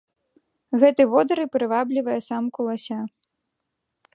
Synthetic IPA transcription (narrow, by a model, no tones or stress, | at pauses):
ɣɛt̪ɨvɔd̪ɐɾɨpɾɨvablʲivɐjɐsamkulˠasʲa